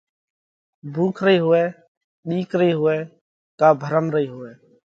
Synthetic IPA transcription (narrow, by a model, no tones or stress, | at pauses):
bʱuːkʰɾəiːɦʊɛː | ɗiːkɾəiːɦʊɛː | kaːbʱəɾəmɾəiːɦʊʋɛː